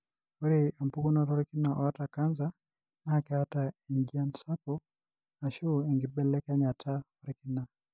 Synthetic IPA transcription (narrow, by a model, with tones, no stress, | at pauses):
o˦ɾe˨a˨mpu˦ɡo˦nɔ˦ɾɔ˦ɾiki˦naʔɔ˨a˦taka˦nza | nakɛ˦a˦ta˨i˨ɲd͡ʒia˦nsa˦po | a˨ʃo˦e˨ŋɡɪ˨bɛ˦lɛ˦ka˦ɲa˨tʰa˦ɔ˦ɾiki˦na˨